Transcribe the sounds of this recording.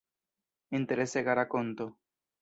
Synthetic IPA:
ent̪eɾeseɣaɾakont̪o

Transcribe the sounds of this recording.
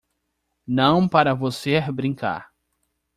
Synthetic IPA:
nɐ̃w̃paɾɐvoseɾbɾĩŋka̰ɾ

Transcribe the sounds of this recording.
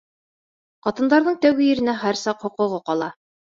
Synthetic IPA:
qɑt̪ɤ̆nd̪ɑɾðɤɴt̪æwɡɘjɘ̆ɾɘ̆næχæɾsɑqhŏqŏʁoqɑlˠɑ

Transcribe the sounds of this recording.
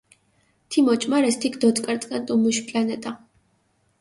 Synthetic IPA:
t̪ʰimɔt͡ʃʼmaɾɛst̪ʰikʰd̪ɔt̪ʼkʼaɾt̪sʼqʼɛnt̪ʼumuʃpʼlanɛt̪ʼa

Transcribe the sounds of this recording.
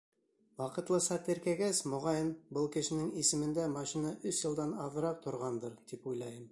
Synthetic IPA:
wɑqɤ̆t̪lˠɤsɑt̪ɘ̆ɾkæɡæsmŏʁɑjɤnbɤlˠkɘ̆ʃɘ̆nɘŋisɘ̆mɘ̆nd̪æmɑʃinɑʔɵsjɤ̆lˠd̪ɑnɑðɤ̆ɾɑq̚t̪ʰŏɾʁɑnd̪ɤɾt̪ipujlˠɑjɤm

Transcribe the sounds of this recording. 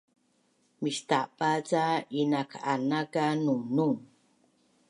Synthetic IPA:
miʃt̪aʔpat͡sainakanakanunuŋ

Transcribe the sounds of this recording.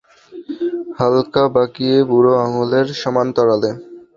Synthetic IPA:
halkabakiebuɾoaŋoleɾʃɔmant̪ɔɾale

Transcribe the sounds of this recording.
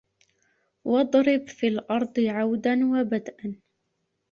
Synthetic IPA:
wɑd̪ˤɾɪbfilʔɑɾˤd̪ˤɨʕawd̪anwabad̪ʔan

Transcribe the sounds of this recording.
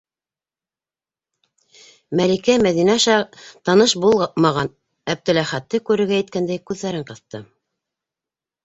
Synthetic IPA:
mælikæmæðinæʃɑt̪ɑnɤʃbulˠmɑʁɑn | æb̚d̪ɘ̆læχæt̪ːɘkʉɾɘ̆ɾɡæjɘ̆t̪̚kænd̪æjkʉðːæɾɘɴqɤ̆θt̪ɤ

